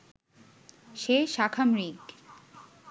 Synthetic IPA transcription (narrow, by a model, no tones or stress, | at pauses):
ʃeʃakʰamɾik